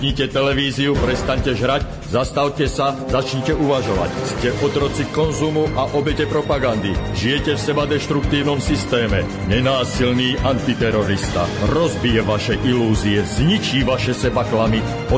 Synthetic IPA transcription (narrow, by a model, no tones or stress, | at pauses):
ɲicɛt̪ɛlɛʋiːziupɾɛst̪aɲcɛʒɦɾac | zast̪awcɛsazat͡ʃɲcɛʔuʋaʒɔʋa̰cscɛʔɔt̪ɾɔt͡sikɔnzumuʔaʔɔbɛcɛpɾɔpaɡand̪iʒijɛcɛfsɛbad̪ɛʃt̪ɾuk̚t̪iːʊnɔmsist̪ɛːmɛ̰ | ɲɛnaːsilniːʔant̪it̪ɛɾɔɾist̪a̰ɾɔzbijɛʋaʃɛʔiluːziɛzɲit͡ʃiːʋaʃɛsɛbaklami | ɔ